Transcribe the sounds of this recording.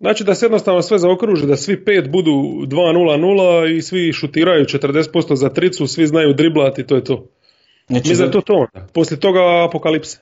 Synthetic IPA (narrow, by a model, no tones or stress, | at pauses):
nnaːt͡ʃid̪asejed̪nost̪aːʋnosʋe̞zaokɾuːʒid̪asʋipe̞ːt̪bud̪uːd̪ʋaːnuːlˠanuːlˠaisʋiʃut̪iːɾajut͡ʃet̪r̩d̪eset̪po̞st̪o̞zat̪ɾit̪susʋiznajuːd̪ɾiblˠat̪it̪oːjet̪o̞ː | mislʲimt̪oːt̪oond̪apo̞slʲjet̪o̞ɡaːpo̞kalipse̥